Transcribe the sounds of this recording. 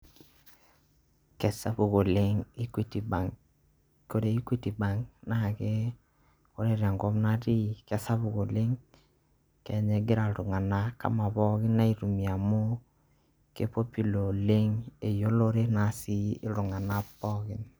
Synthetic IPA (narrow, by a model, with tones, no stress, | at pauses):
kɛ˨sa˦bu˨ɣo˨le˦ŋi˦ki˦˨ti˨ba˨ŋ | ko˦ɾe˨i˦kwi˦ti˨ba˨˦ŋna˦˨ke˦ | o˦ɾe˦ɾa˨ŋɡɔ˦mna˦ti˦kɛ˦sa˦βu˨ɣo˨le˦ŋ | kɛ˨ɲɛ˨ɡɪ˦ɾa˨ɾu˨ŋa˨na˦ka̰˦ma˨bɔ˦ɣɪ˦na˦i˨ɾu˨mi˨a˨mo˦ | ke˦po˦pi˨lo˨le˦ŋe˨jo˦lo˦ɾe˦na˨˦si˦ɪ˦ɾu˨ŋa˨na˦pːɔ˦ɡɪ˨n